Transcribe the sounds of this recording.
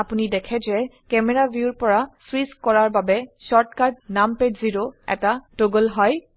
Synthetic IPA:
apunidɛkʰɛzɛkɛmɛɹabʱjuɹpɔɹasɹiskkɔɹaɹbabɛsɔɹtkad̚nampedziɹoɛ̰tatoɡəlɦɔj

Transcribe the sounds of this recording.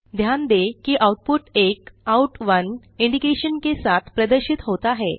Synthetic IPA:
d̪ʱjand̪ekiːʔawʈ̚puʈekawʈʋən | iɳɖikeɕənkesat̪ʰpɾəd̪əɾɕiːt̪ɦot̪aɦe

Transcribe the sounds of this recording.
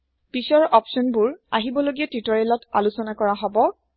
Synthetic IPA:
pisɔɹɔpsɔnbuɹa̰ɦibɔloɡijatɹitɔɹelɔta̰lusɔnakɔɹaɦɔbɔ

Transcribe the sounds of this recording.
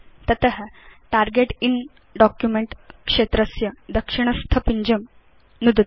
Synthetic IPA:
t̪ɐt̪əɦəʈaɾɡeʈin | ɖɔkjumeɳʈkʂet̪ɾəsjɐd̪ɐkʂiɳ̃əst̪ʰəpiɲd͡ʑəm | nud̪

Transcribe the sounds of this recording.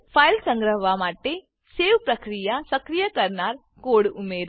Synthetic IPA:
pʰaːjlsə̃ŋɡɾəɦʋamaːʈe | seːʋpɾəkɾijasəkɾijəkəɾnaːɾ | koːɽumeːɾ

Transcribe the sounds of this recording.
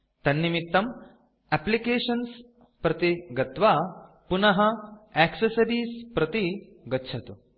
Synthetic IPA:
t̪ɐnːimit̪ːɐm | ɛplikeːʃɐns | pɾɐt̪iɡɐt̪ʋaː | punɐɦɐeːksɐsɐɾiːspɾɐt̪i | ɡɐtːt͡ʃʰɐt̪u

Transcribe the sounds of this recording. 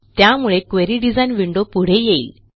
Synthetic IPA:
t̪jamuɭekʋeɾiɖid͡zajnʋiɳɖopuɽ̤ejeḭːl

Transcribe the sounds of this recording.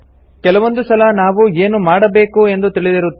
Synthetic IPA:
kɛlɐʋo̞nd̪usɐlɐnaːʋueːnumaːɽɐbe̞ːkue̞nd̪ut̪iɭid̪iɾut̪ː

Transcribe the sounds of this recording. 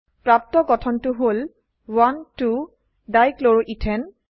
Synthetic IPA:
pɹap̚tɔɡɔtʰɔntʊɦol | wantu | dajkloɹoʔitʰɛn

